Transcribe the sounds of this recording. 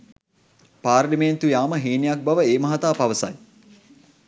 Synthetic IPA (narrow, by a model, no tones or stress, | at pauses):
paːɾliment̪ujaːməɦiːnijak̚bɐʋəeːmɐɦat̪aːpaʋəsɐ̰j